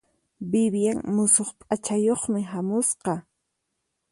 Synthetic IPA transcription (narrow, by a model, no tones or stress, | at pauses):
bɪbjaŋmʊsoχpʼat͡ʃajoχmɪɦamʊsqɑ